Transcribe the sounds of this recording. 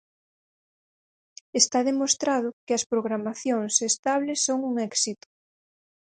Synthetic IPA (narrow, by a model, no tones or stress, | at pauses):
est̪aðemost̪ɾað̞ʊkɪɐspɾoɣɾamaθjoŋsest̪aβlesːoŋuŋɛksit̪ʊ̥